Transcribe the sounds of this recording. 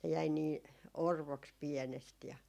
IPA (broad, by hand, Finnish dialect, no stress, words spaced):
ne jæi niː orʋoks piɛnest jɑ